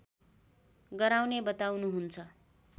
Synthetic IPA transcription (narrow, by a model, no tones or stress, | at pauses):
ɡʌɾawnebʌt̪awnuɦunt͡sʰʌ